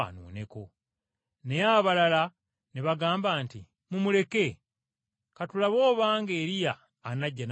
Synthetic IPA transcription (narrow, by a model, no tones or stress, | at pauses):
nṵːne̞ko̞ | nejaβalala | neβaɡaːmbaːntḭ | mumule̞ke̞ | katulaβo̞ːβaːŋɡe̞ːɾijaː | naɟːan